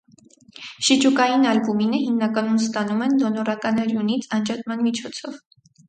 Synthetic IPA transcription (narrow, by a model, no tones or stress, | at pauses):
ʃit͡ʃukɑjinɑlbuminəhimnɑkɑnumst̪ɑnumɛnd̪ɔnɔɾɑkɑnɛɾjunit͡sʰɑnd͡ʒɑt̪mɑnmit͡ʃʰɔt͡sʰɔv